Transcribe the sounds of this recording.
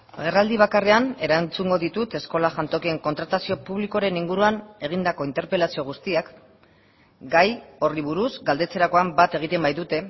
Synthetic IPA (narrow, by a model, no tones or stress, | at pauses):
ɣe̞rald̪iβ̞akare̞ane̞ɾant͡suŋɡo̞ðit̪ut̪e̞sko̞laʝant̪o̞kie̞ŋko̞nt̪ɾat̪asio̞puβ̞liko̞ɾe̞niŋɡuɾuane̞ɣ̞ind̪ako̞int̪e̞ɾpe̞lasio̞ɣ̞ust̪iak | ɡajo̞riβ̞uɾuzɡald̪e̞t͡se̞ɾako̞ambat̪e̞ɣ̞it̪e̞mbajðut̪e̞